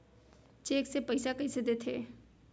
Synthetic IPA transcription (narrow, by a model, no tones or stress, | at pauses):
t͡ʃeːksepɐɪsakɐised̪eːt̪ʰḛː